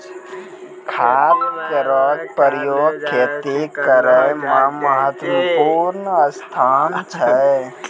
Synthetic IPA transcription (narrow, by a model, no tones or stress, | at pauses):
kʰaːt̪keɾɔːɡ̚pəɾəjoːɡ̚kʰːeːt̪ikəɾeməməɦət̪wəpuːɾnəəst̪ʰaːnt͡ʃʰəe